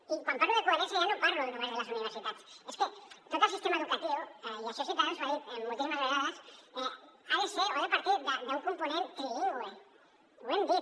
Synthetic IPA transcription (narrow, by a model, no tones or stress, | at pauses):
ikwampaɾloðekoeɾenθjaʝanopaɾloelt̪ɾuβezðelas̬uniβeɾsit̪at̪sesket̪ot̪alsist̪emaeðukat̪iulasisit̪aesaimːuolt̪isimazβeɣaðaseaðeseoepaɾt̪iðaðauŋkomponenkɾeiɣoe | oend̪i